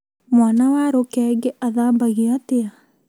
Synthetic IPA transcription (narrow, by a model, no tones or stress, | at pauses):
mwanawaɾokɛːŋɡeʔaðaːmbaɣiatea